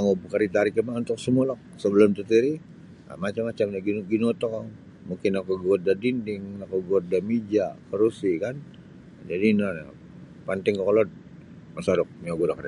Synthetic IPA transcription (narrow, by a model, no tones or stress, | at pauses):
amobkəɾit̪aɾikəmaunt̪ʊk̚səmualɔk̚ | səbəlʊmt̪ət̪iɾi | a̰mat͡ʃamːat͡ʃamaɡɡinot̪ɔka | muŋkɪnakoɡuat̪̚dadindɪŋnakoɡuat̪̚damid͡ʒakəɾusikan | d͡ʒadina̰ | pant̪ɪŋkɔklɔt̪̚ | masaɾɔk̚miaɡudakɾ